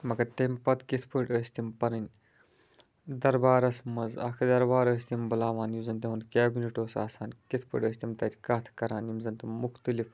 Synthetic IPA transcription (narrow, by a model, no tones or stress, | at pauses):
mɐkɐt̪ɐmʲpɐt̪kit̪ʰpəʈəːsʲt̪impɐɾɐnʲ | d̪ɐɾbaːɾɐsmɐzɐ̰kʰd̪ɐɾbaːɾəːsʲt̪imbɐlaːʋaːnimzɐnt̪ɐɦunkʲaːbʲineʈoːsa̰ːsaːnkit̪ʰpʰə̰ʈʲəːsʲt̪imt̪ɐt̪ʰʲikaːt̪ʰkɐɾaːnimzɐnt̪ɐmuxt̪ɨlif